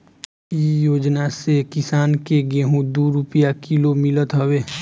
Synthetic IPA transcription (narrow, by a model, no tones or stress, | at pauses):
ijoːd͡ʒnasekɪsaːnkeɡẽɦũd̪uːɾʊpjakilomɪlət̪ɦəweː